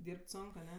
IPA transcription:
ˈdʲiːrʲpʲtʲ ˈsoːŋk ɐˈnʲɛ

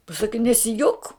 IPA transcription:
pɐˈsɑːkʲɪ nʲɛsʲɪˈjoːk

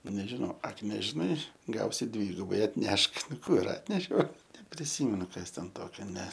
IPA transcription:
nʲɛʒʲɪˈnɐʊ ˈɐk nʲɛʒʲɪˈnɐɪ ˈɡɐʊsʲɪ ˈdʲʋʲiːɡʊbɐɪ ɐtʲˈnʲɛʃk ˈnʊ ˈkuː ɪr ˈɑːtʲnʲɛʃʲɛʊ nʲɛpʲrʲɪˈsʲiːmʲɛnʊ ˈkɐs tʲɛn ˈtoːkʲɛ nʲɛ

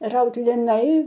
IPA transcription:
ˈrɐʊt lʲɪˈnɐɪ

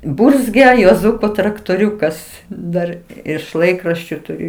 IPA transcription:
ˈbʊrʲzʲɡʲɛ juɔˈzʊkoː trɐktoːˈrʲʊkɐs ˈdɐr ɪʃ ˈlˠɐɪkrɐʃʲt͡ʃʲʊ tʊˈrʲʊ

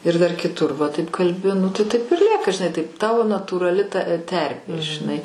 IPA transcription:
ɪr dɐr kʲɪˈtʊr ʋɐ tɐɪp kɐlʲˈbʲɪ nʊ tɐɪ tɐɪp ɪr ˈlʲiɛkɐ ʒʲɪˈnɐɪ tɐɪp ˈtɑːʋoː nɐtuːrɐˈlʲɪ tɐ ˈtʲɛrʲpʲeː ʒʲɪˈnɐɪ

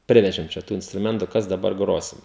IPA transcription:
ˈpʲrʲɪʋʲɛʒʲɪm t͡ʃʲɛ ˈtuː ɪnstrʊˈmʲɛntʊ ˈkɐs dɐˈbɐr ˈɡroːsʲɪm

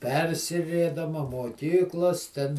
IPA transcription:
ˈpʲɛrʲsʲɪʋʲeːdɐmɐ moːˈkʲiːklˠoːs tʲɛn

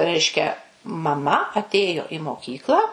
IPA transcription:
ˈrʲɛɪʃʲkʲɛ mɐˈmɐ ɐtʲˈeːjoː ɪ moːˈkʲiːklˠɑː

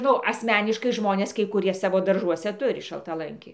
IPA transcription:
ˈnʊ ɐsʲˈmʲæːnʲɪʃkɐɪ ˈʒmoːnʲeːs kɐɪ kʊˈrʲiɛ ˈsɑːʋoː dɐrˈʒuɔsʲɛ ˈtʊrʲɪ ʃɐlˠtɐˈlˠɐŋʲkʲɪ

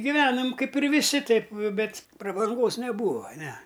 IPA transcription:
ɡʲɪˈʋʲæːnoːm ˈkɐɪp ɪr ʋʲɪˈsʲɪ ˈtɐɪp ˈbʲɛtʲ prɐbɐŋˈɡoːs nʲɛˈbuːɐ ˈnʲɛ

